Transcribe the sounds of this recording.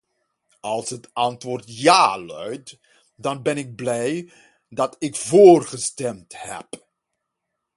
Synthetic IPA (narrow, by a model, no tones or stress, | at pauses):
ɑlˠsɦətɑntʋʊːrtjaːlœ̰ɥt | dɑnbɛnɪɡ̚blɛj | dɑtɪkvoːrχəstɛmthɛ̰p